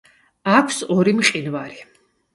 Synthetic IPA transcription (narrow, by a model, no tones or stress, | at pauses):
akʰsɔɾimqʼinvaɾi